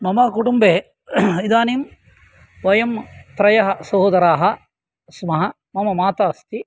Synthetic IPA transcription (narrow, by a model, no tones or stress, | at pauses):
mɐmɐːkuʈumbeː | id̪aːnim | ʋɐjɐmt̪ɾɐjɐɦɐ̆sɐɦoːd̪ɐɾaːɦɐ̆ | smɐɦɐ | mɐmɐmaːt̪aːst̪i